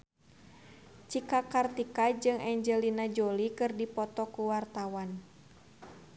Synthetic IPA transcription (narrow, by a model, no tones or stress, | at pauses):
t͡ʃikakart̪ikad͡ʒɨŋɛɲd͡ʒɛlinad͡ʒolikɨrdipɔt̪ɔkuwart̪awan